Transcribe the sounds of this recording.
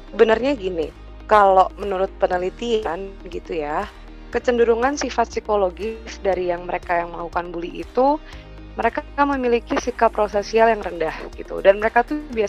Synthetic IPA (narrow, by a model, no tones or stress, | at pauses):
bənərɲaɡini | kaloʔmənuɾʊt̪̚pənəlit̪ianɡit̪uja | kət͡ʃənduɾuŋansifat̪sikoloɡɪsdaɾijaŋməɾekajaŋməlakukanbuliʔḭt̪u | məɾekaaməmilikisikapːɾosasialjaŋrəndahɡit̪ṵdanməɾekat̪ubia